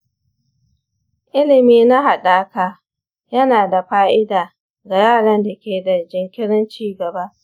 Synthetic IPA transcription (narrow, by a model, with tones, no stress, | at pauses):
ʔʔɪ˦lɪ˨miː˦na˦ɦa˨ɗaː˦kaː˨ | jɐ˦naː˨da˨ɸaː˦ʔɪ˦daː˨ | ɡa˨jaː˦˨ɽɐ˦nda˨kʲeː˨da˨d͡ʒɪ˨ŋkʲɪ˦ɽɐ˦nt͡ʃiː˦ɡɐ˨ba˦ʔ